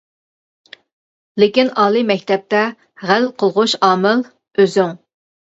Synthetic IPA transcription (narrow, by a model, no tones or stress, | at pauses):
lɪkʲinɑːlˠɨmɛkʲt̪ɛp̚t̪ɛ | ʁælqʰəlˠʁʊʃɑːmɨl | øzyŋ